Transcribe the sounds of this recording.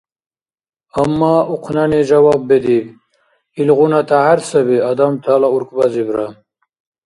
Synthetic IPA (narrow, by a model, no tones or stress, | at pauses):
ɐmːaːuqʰnaned͡ʑawabːed̪ib | ilʁunat̪ʰaɦaɾsɐbiad̪amt̪ʰalauɾkbazibɾa